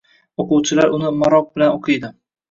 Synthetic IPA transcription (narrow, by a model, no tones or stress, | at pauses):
oqʊwt͡ʃʰɪlaɾʊnɪmaɾɒq̚bɪlanoqʰɨjd̪ɪ